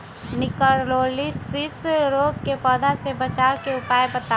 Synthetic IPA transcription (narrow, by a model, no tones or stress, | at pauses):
nɪkəɾloːlisɪsɾoːɡ̚kepɔːd̪asebət͡ʃaːwkeʊpaːjbət̪a